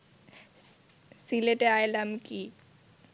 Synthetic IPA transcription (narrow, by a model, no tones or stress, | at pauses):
sileʈeajlamki